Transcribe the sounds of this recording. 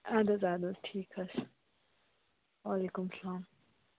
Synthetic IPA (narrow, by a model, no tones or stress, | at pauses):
ad̪ɐzad̪ɐzʈʰeːkʰɐs | waːlekʊmsɐlaːm